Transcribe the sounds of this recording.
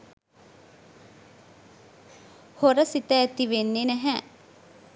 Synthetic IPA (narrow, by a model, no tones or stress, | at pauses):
hoɾəsit̪əːt̪iʋenːenæɦæ